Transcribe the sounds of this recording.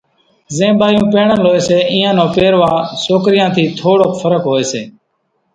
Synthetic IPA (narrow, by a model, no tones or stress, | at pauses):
zẽːbaːjũːpẽːɳənloːeːseːʔĩːãːnõːpeːɾʋãːsoːkɾɪjãːt̪ʰiːt̪ʰoːɽoːkfʰəɾəkɦoːeːseː